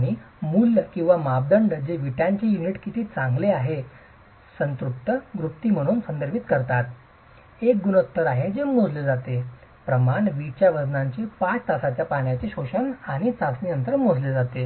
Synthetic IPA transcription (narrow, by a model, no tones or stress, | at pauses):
ɽ̃i | mulːəkĩw̃ʋamap̚d̪əɳɖd͡ʑeʋiʈjaɲt͡ɕejuniʈkit̪ʰiːt͡sãŋɡleaɦe | sənt̪ɾup̚t̪əɡɾup̚t̪iːm̤əɽ̃uːnsənd̪əɾbit̪kəɾt̪at̪ | ek̚ɡunot̪ːəɾaɦed͡zemod͡zled͡zat̪e | pɾəmaɳʋit͡ɕjaʋəd͡znaɲt͡ɕepat͡st̪asat͡ɕjapaɳjat͡ɕeɕoɕənaɽ̃it͡sasniənt̪əɾmod͡zled͡zat̪e